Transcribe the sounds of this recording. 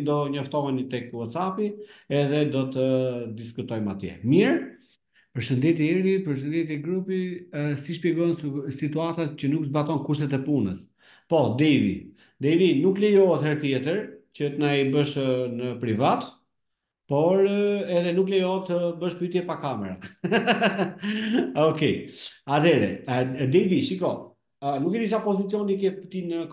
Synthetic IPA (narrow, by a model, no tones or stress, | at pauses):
d̪ɔɲɔft̪ɔɦɛnit̪ɛkwɔt̪sapiɛðɛd̪ɔt̪əd̪iskut̪ɔjmat̪jɛ̰miɾ | pəɾʃənd̪ɛt̪iɛɾipəɾʃ̬ənd̪ɛt̪̬iɛɡɾupisiʃpjɛɡɔnsit̪uat̪acənukzbat̪ɔnkuʃt̪ɛt̪ɛpunəs | pɔd̪ɛjvḭ | d̪ɛjvinuklɛjɔɦɛt̪hɛɾt̪jɛt̪əɾcət̪naibəʃnəpɾivat̪ | pɔɾɛðɛnuklɛjɔɛt̪əbəʃpyt̪jɛpakamɛɾa | ɔkɛat̪ʰɛɾɛ̰d̪ɛjviʃikɔ | nukɛd̪iʃ̬apɔzit͡siɔnikɛpt̪inək